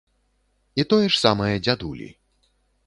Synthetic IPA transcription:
it̪ɔjɛʂsamɐjɐd͡zʲad̪ulʲḭ

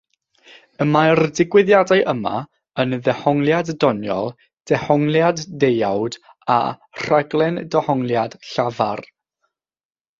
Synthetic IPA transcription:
əmardɪɡwɪðjadajʔəma̰ | ənðɛhɔŋlˠjaddɔnjɔ̰lˠ | d̥ɛhɔŋlˠjadːejawd | a̰ | r̥aɡlˠɛndɔhɔŋlˠjad̥ɬavar

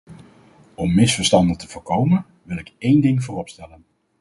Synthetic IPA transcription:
ɔmːɪsfəɹstɑndətəvʊːɹkowmən | ʋɪlˠɪkejndɪŋvʊːrɔpstɛlən

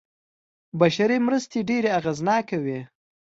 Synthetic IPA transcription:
baʃaɾimɾəst̪eɖeɾeaɣaznɑkawi

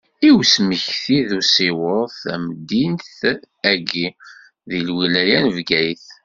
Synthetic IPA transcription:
iwsməçθiðusiwəɾθæmd̪inθ | æɡi | ðilwilæjænəvɡæjθ

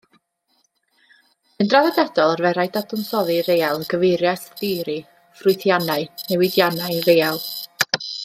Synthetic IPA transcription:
əndraðɛdɛd̥ɔlˠarvɛɾajdadɔnsɔðɨɾejalˠɡəvɪjɾjasðɪːɾi | frʊɨθjanaɨnɛwɪdjanaɨvejalˠ

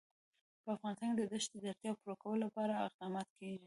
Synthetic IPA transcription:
pəafɣɑnɪst̪ɑnked̪əd̪əʃt̪d̪əd̪aɾt̪jɑpuɾokawəlolapɑɾaɪ̰qd̪ɑmɑt̪keʒi

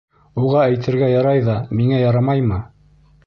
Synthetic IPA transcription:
uʁɑæjt̪ʰɘ̆ɾɡæjɑɾɑjðɑmiŋæjɑɾɑmɑjmɤ

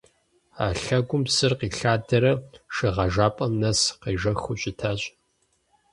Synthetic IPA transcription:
a̰ːɬɐɡʷʊmsɨrqiːɬaːdɐɾɐʃɨʁɐʒaːpʼɐmnɐsqiːʒɐxʊɕʼɪtʰaːɕʼ

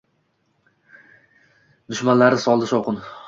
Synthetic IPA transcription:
d̪ʊʃmanlaɾɪsɒlˠd̪ɪʃɒwqʰɨn

